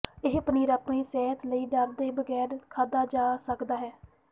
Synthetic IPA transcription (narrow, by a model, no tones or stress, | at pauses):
ɪɦpniːɾaːpɳiːsɛːɦət̪ləiːɖəɾd̪eːbəɡɛːɾkʰaːd̪aːd͡ʒaːsəkd̪aːɦɛː